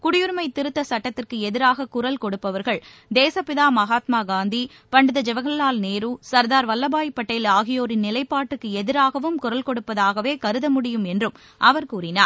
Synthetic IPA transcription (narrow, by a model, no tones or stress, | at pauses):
kʊɽɪjɯɾmɐɪt̪ːɪɾɯt̪ːɐsɐʈːɐt̪ːɪrkɯɛðɪɾaːɣɐkʊɾɐlkɔɽɯpːɐʋɐɾɣɐɭ | d̪eːsɐpɪðaːmɐɣaːt̪maːɡaːnd̪i | pɐɳɖɯðɐd͡ʒɛʋɐɣɐɭlaːlneːɾuːsɐɾðaːɾʋɐlːɐbaːjpːɐʈːɐjɪlaːɣɪjoːɾɪnːɪlɐɪpːaːʈːɯkːɯɛðɪɾaːɣɐʋɯmkʊɾɐlkɔɽɯpːɐðaːɣɐʋeːkɐɾɯðɐmʊɽɪjɯmɛndrɯm | ʔɐʋɐɾkuːɾɪnaːɾ